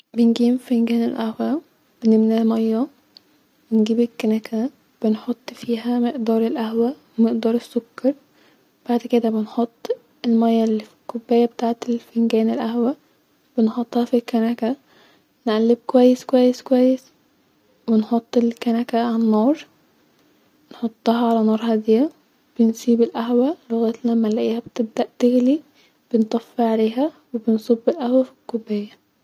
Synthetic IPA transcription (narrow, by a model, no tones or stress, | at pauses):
benɡiːmfenɡæːnelʔæhwæ | b̥enemnælmɑjːɑ | wenɡiːbelkːænækʰæ | b̥enħot̪ˤːfiːɦæmeʔd̪ɑːɾˤelʔæhwæwemeʔd̪ɑːɾˤesːokːɑɾˤ | b̥aʕd̪ked̪æbenħot̪ˤː | elmɑjːɑlːfikːobːæːjːæbet̪aːʕet̪elfenɡæːnelʔæhwæ | b̥enħot̪ˤːhɑfilkːænækæ | nʔælːeb̚kowæjːeskowæjːeskowæjːes | wenħot̪ˤːelkænækæʕanːoːɾˤ | nħot̪ˤːɑɦɑʕalænɑːɾˤhɑd̪iæ | b̥ensiːbelʔæɦwæloɣæːt̪læmːælæʔiːhæbt̪eb̚d̪æʔt̪eɣli | b̥ent̪ˤɑfːeʕaleːɦæwebensˤobːelʔæhwæfi̥kːobːæːjːæ